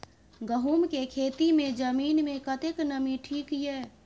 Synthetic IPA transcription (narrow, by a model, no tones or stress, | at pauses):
ɡəɦuːmkekʰeːt̪imẽd͡ʒəmiːnmẽkət̪eknəmiʈʰiːkjɛː